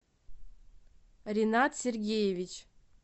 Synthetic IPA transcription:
rʲinat̪sʲerɡʲejevʲit͡ʃʰ

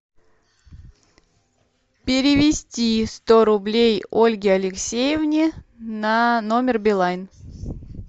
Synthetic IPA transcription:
pʲɪɾʲɪvʲɪsʲtʲist̪oɾʊblʲejolʲɡʲɪɐlʲɪksʲejɪvnʲɪnanomʲɪrbʲɪlˠajn

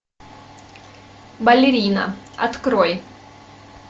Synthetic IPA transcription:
bɐlʲɪɾʲinɐ̰ɐ̰t̪kɾɔj

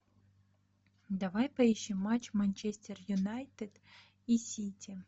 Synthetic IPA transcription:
d̪ɐvajpɐiɕːɪmːat͡ɕmɐnʲt͡ɕesʲtʲɪrjʊnajt̪ɨd̪ | isʲitʲi

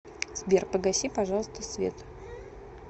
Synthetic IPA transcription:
zbʲerpəɡɐsʲipɐʐɑlˠəst̪əsvʲḛt̪

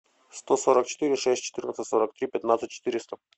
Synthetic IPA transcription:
st̪osoɾək̚t͡ɕɪ̥t̪ɨɾʲɪʂɛsʲtʲt͡ɕɪ̥t̪ɨrnət̪sət̪ʲsoɾək̚t̪ɾʲipʲɪt̪nat̪sət̚ʲt͡ɕːɪ̥t̪ɨɾʲɪst̪ə

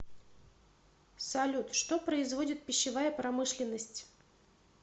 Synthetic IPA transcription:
sɐlʲut̪ʂt̪opɾəɪzvo̞dʲɪt̪̚pʲɪɕːɪvajəpɾɐmɨʂlʲɪnːəsʲtʲ

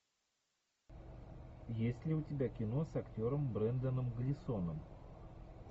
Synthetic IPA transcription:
jesʲtʲlʲɪʊtʲɪbʲakʲɪno̞sɐktʲo̞ɾəmbɾɛnd̪ənɨmɡəlʲɪso̞nəm

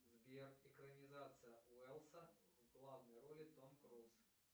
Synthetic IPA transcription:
zbʲerɪkɾənʲɪzat̪sɨjəʊɛlˠsəvɡlˠavnəjrolʲɪt̪onkɾolˠs

